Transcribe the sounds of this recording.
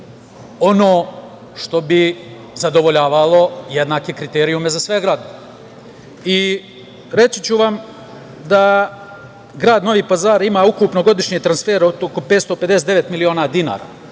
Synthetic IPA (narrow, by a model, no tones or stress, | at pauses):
o̞noː | ʃt̪o̞bi | zad̪o̞ʋo̞ʎaːʋalˠo̞je̞d̪naːkekɾit̪eːɾijume̞zasʋeɡɾaːd̪o | i | ɾe̞sit͡ɕuʋam | d̪a | ɡɾaːd̪no̞ʋiːpazaːɾimaːukupno̞ɡo̞d̪iʃɲet̪ɾansfe̞ːɾot̪okopet̪st̪oped̪esed̪eʋe̞t̪milio̞ːnaːd̪ina̰ːɾa̰ː